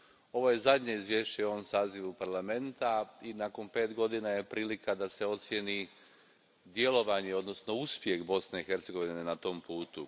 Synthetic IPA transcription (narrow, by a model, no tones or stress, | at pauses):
o̞ʋo̞je̞zad̪ɲeizʋje̞ʃt͡ɕeoʋomsaːziʋupaɾlame̞nt̪ainako̞npe̞ːt̪ɡo̞d̪inaje̞pɾiːlikad̪ase̞o̞t̪sje̞ni | d̪je̞lo̞ʋaɲeo̞d̪no̞sno̞uspje̞xbo̞sne̞ixe̞ɾt̪se̞ɡo̞ʋinnenat̪o̞ːmpuːt̪u